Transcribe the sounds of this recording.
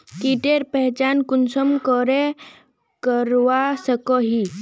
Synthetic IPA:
t̪iʈeɾpɛɦt͡ɕankunsəmkəɾe | kəɾʋasəkɔɦi

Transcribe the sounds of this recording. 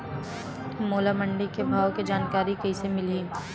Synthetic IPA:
moːlaməɳɖikebʱaːʋkid͡ʒaːnkaːɾikɐɦisemɪli

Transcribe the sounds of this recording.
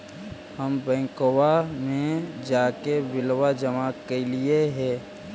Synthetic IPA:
həmbɛ̃ːŋkowamẽd͡ʒaːkebɪlwad͡ʒəmakelieɦɛ̃ː

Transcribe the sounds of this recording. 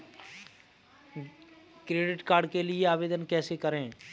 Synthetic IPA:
kɾeːɖɪʈkaːɾɖkelɪeaːʋeːd̪ənkɛːsekəɾẽː

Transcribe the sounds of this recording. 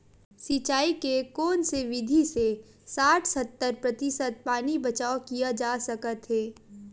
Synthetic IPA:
sit͡ʃaːikekɔːnseʋɪd̪ʱise | saːʈʰsət̪ːəɾpɾɐt̪ɪsət̪̚paːnibɐt͡ʃaːokijad͡ʒaːsɐkət̪ɦeː

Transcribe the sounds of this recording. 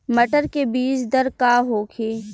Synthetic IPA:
mɐʈəɾkebiːt͡ʃd̪ɐɾkaːɦoːkʰeː

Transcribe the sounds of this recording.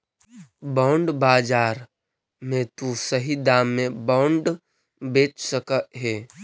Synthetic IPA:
baːʊɳɖbaːd͡ʒaːɾ | mẽt̪usəɦid̪aːmːẽbaːʊɳɖ | beːt͡ʃsəkəɦeː

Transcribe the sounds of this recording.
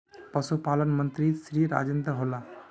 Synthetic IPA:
pəsupalənmənt̪ɾisɾiɾa̰d͡ʒənd̪ɾəɦola

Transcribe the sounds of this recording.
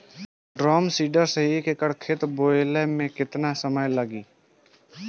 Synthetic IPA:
ɖɾɔːmsiːɖəɾsəɦikekəɽkʰet̪boːlemẽkɪt̪nasəməjləɡiː

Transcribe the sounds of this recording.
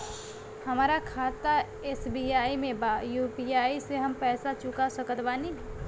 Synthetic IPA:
hɐmaːɾakʰaːt̪a | eːsbiːaːimẽbaːjuːpiːaːiseɦɐmpɛːsat͡ʃʊkasəkət̪baːniɦɛ

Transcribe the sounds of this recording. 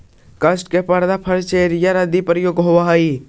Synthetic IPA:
kəsʈkepəɾd̪apʰəɾt͡ʃeɾjaɾəd̪ipɾjoɡɦoʋaɦəi

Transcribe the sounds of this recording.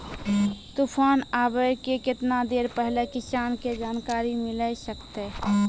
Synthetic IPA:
t̪uːpʰaːnaːbəjkekɪt̪nad̪eːɾpɛɦlekɪsaːnked͡ʒaːnkaːɾimɪləsəkt̪e

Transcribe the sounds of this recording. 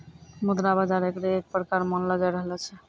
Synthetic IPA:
mud̪ɾabad͡ʒaɾekɾeːk̚pəɾkaɾmənləd͡ʒajɾəɦlɔt͡ʃʰɛ

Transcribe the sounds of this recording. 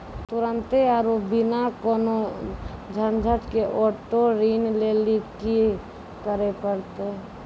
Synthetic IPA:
t̪ʊɾənt̪eaɾobɪnakono | d͡ʒʱənd͡ʒʱəʈkeʔoʈoɾinleliki | kəɾepəɽt̪e

